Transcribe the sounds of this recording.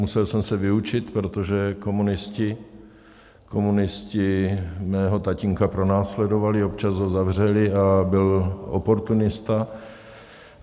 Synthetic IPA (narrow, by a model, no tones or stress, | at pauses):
musɛlsɛmsɛvɪut͡ʃɪt̪pɾot̪o̞ʒɛko̞munɪscɪ | kʰo̞munɪscɪmɛːɦo̞t̪acɪŋkapɾo̞naːslɛdo̞valɪop̚t͡ʃasɦo̞zavr̝ɛlɪabɪlʔo̰po̞ɾt̪unɪst̪a